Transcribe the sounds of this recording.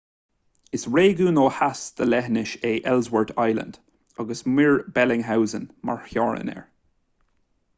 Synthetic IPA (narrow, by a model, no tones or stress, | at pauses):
ɪsɹeːɡuːnoːhasd̪̥əlɛɦnɪʃeːʔɛlzwəɹtʰajlə̰̃nd̥ | ɑɡəsmɪɹbɛlɪŋɦawzənma̰ɹhjɔːɹə̰nɛ̰ɹ